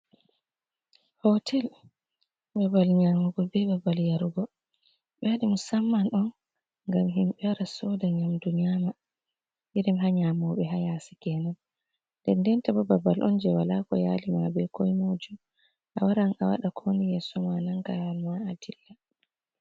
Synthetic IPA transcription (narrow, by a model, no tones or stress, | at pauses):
hɔtʰɛl | babalɲamuɡɔbɛbabaljaɾuɡɔ | ɓɛaɗimusamːanɔn | ŋɡamɦimɓɛwaɾasɔdaɲamduɲiama | biɗɛmɦaɲamɔɓɛɦajasi̥kɛnan | ndɛndɛntabɔbabalʔɔnd͡ʒɛwalakɔjaːlimabɛkɔjmod͡ʒum | ʔa̰waɾana̰wa̰ɗakʰonijɛsɔmanaŋɡawalmaadilːa